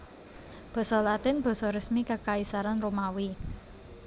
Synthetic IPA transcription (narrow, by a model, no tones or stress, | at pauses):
b̥ɔ̤sɔlat̪ɪnb̥ɔ̤sɔɾəsmikəkaisaɾanromawi